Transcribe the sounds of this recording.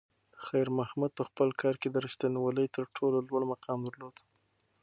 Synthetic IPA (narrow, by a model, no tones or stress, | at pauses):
xajɾmahmud̪̚pəxpəlkʰɑɾked̪əɾəʃt̪aniwaləjt̪əɾʈʰololwaɽmaqɑmd̪əɾlod̪̥